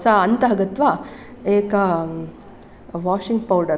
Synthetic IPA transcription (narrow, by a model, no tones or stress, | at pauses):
saɐnt̪aːɡɐt̪ːʋaːeːkɐ | ʋaːʂiŋɡ̚pɐwɖɐɾ